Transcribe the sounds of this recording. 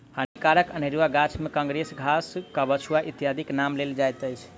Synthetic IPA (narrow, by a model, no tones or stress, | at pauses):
hənikaɾəkəneɾuaɡat͡ʃʰmekãŋɡɾesɡʱaskabət͡ʃʰuaʔit̪ijad̪ʱiknamleld͡ʒajt̪əjt͡ʃʰ